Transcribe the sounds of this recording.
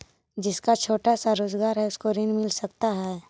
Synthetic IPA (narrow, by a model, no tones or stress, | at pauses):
d͡ʒɪskat͡ʃʰoːʈasaɾoːzɡaːɾɦɛʊskoɾɪnmɪlsɐk̚t̪aɦɛː